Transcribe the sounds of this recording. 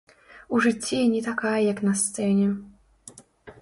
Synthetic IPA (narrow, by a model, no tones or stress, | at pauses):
uʐɨt͡sʲːɛnʲɛt̪akajɐjaknɐst̪sɛnʲɛ